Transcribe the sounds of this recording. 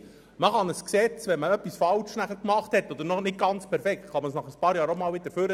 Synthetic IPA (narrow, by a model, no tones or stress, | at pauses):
məχɑnəsksɛt͡sʋɛnməœpːisfɑlʃnæχəɾkmɑχthɛtːɔd̪əɾnɔnɪt̚ɡ̥ɑnt͡spʰɛɾfɛktχɑməsnɑχəspɑːɾjɑːɾomɑːlʋɪt̪əɾføɾə